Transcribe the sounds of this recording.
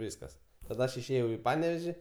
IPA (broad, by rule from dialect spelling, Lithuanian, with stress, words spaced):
ˈʋʲiːskɐs tɐˈdɐ ˈɐʃ ɪʃʲˈeːjɛʊ iː ˈpɑːnʲɛʋʲɛʒʲɪ